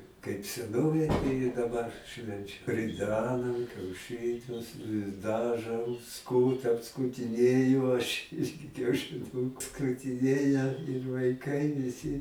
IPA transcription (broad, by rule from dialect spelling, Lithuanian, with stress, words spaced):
kɐɪp sʲɛˈnoːʋʲeːj tɐɪ ɪ dɐˈbɐr ˈʃʲʋʲɛnʲt͡ʃʲɛ rʲɪˈdʲæːnɐm kʲɛʊˈʃɨnʲʊs ɪ ˈdɑːˌʒoːm ˈskuːtɐm skuːtʲɪˈnʲeːjʊ ɐʃ ˈɪrʲɡʲɪ kʲɛʊʃʲɪˈnuːkʊ skʊtʲɪˈnʲeːjɛ ɪr ʋɐɪˈkɐɪ ʋʲɪˈsʲɪ